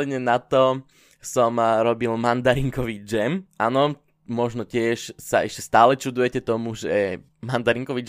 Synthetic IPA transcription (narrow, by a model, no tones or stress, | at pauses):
ɛd̪ɲɛnat̪ɔ | sɔmɾɔbilmand̪aɾiŋkɔʋid͡ʒɛmanɔ | mɔʒnɔcɪɛʃsa̰ɛʃcɛst̪aːlɛt͡ʃud̪ujɛcɛt̪ɔmuʒɛ | mand̪aɾiŋkɔʋid͡ʒ